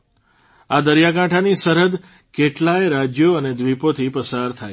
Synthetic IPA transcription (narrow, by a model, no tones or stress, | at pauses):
ad̪əɾjakãʈʰanisəɾəd̪ | keʈlaeɾad͡ʒjoəned̪ʱʋipot̪ʰipəsaɾt̪ʰaj